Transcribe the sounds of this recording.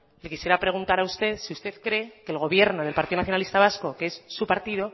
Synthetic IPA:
lekisje̞ɾapɾe̞ɣ̞unt̪aɾaust̪e̞ðsiust̪e̞ðkɾe̞ke̞ːlɣ̞o̞βje̞ɾno̞ð̞elpaɾt̪iðonaθjoalist̪aβ̞asko̞keesːupaɾt̪ið̞o̞

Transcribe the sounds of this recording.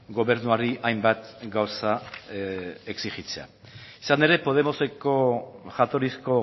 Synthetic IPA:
ɡo̞βe̞ɾnuaɾiʔajmbat̪ɡawsa | e̞ksiʝit͡se̞a̰ | isane̞ɾe̞po̞ð̞e̞mo̞se̞ko̞ʝat̪o̞ɾisko̞

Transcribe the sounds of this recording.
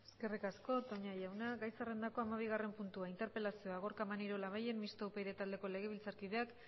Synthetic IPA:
eske̞rikasko̞t̪o̞ɲajawnaɣajsare̞nd̪ako̞amaβ̞iɣ̞are̞mpunt̪uaint̪e̞ɾpe̞lasioaɣ̞o̞ɾkamaniɾo̞laβaje̞nmist̪oupejɾet̪ald̪e̞ko̞le̞ɣ̞e̞β̞ilt͡saɾkið̞e̞ak

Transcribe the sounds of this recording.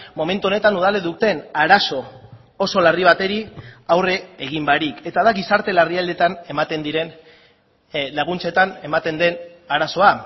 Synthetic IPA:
mo̞me̞nt̪uo̞ne̞t̪anuð̞aleðut̪e̞naɾaso̞ | oso̞lariβ̞at̪e̞ɾiawre̞eɣ̞imbaɾike̞t̪aðaɣisaɾt̪e̞lariald̪e̞t̪ane̞mat̪e̞nd̪iɾe̞n | laɣ̞unt͡se̞t̪ane̞mat̪e̞nd̪e̞naɾaso̞a

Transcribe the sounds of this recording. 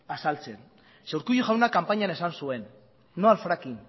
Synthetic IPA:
asalt͡se̞n | sewɾkujuʝawnakampaɲane̞sansue̞nː | oalfɾakin

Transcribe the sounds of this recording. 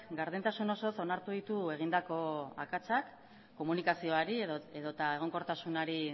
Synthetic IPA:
ɡaɾðent̪asuno̞so̞so̞naɾt̪uðit̪ue̞ɣ̞ind̪ako̞a̰kat͡sakː | o̞munikasio̞aɾieðot̪ae̞ɣ̞o̞ŋko̞ɾt̪asunaɾi

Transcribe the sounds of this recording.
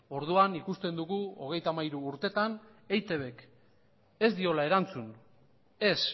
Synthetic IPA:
o̞ɾð̞uanikust̪e̞nd̪uɣuo̞ɣ̞e̞jt̪amajɾuːɾt̪e̞t̪an | e̞jt̪e̞β̞e̞k | e̞zd̪io̞lae̞ɾant͡sun | e̞s

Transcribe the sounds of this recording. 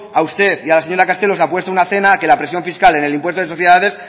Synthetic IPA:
aust̪e̞θialase̞ɲo̞ɾakast̪e̞lo̞sapwe̞st̪ounaθe̞naːke̞lapɾesjo̞ɱfiskale̞nelimpwet̪oðso̞θjeðaðe̞s

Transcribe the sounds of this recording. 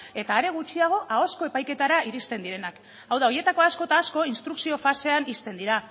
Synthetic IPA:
e̞t̪aːɾe̞ɣ̞ut͡ʃiaɣ̞o̞ʔao̞sko̞e̞pajke̞t̪aɾaʔiɾist̪e̞nd̪iɾe̞nak | awðao̞je̞t̪ako̞asko̞t̪asko̞inst̪ɾuksio̞fase̞anist̪e̞nd̪iɾa

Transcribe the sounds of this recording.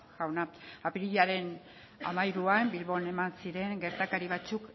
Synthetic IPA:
ʝawnaapiɾiʎaɾe̞n | a̰majɾuambilβo̞ne̞mansiɾe̞ŋɡe̞ɾt̪akaɾiβ̞at͡suk

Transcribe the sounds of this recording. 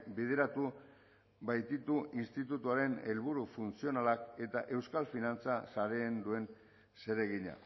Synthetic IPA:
bið̞e̞ɾat̪u | βajt̪it̪uinst̪it̪ut̪uaɾe̞ne̞lβuɾufunt͡sio̞nalake̞t̪aʔe̞wskalfinant͡sasaɾe̞ːnd̪ue̞n | se̞ɾe̞ɣiɲa̰

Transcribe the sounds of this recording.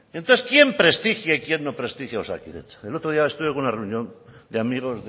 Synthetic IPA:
ent̪oθeskje̞mpɾe̞st̪ixjeikje̞nːopɾe̞st̪ixjaosa̰kiðḛt͡selot̪ɾo̞ð̞iaest̪uβekuunare̞unjo̞nd̪eamiɣ̞o̞z

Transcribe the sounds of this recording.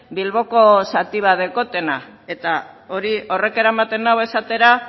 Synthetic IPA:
bilβo̞ko̞sat̪iβ̞að̞eko̞t̪e̞nae̞t̪ao̞ɾio̞re̞ke̞ɾaemat̪e̞nawe̞sat̪e̞ɾa

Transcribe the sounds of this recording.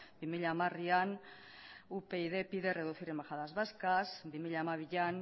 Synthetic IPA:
bimiʎaːmarian | upe̞iðe̞piðe̞re̞ðuθiɾembaxaðazβaskasbimiʎaːmaβiʎan

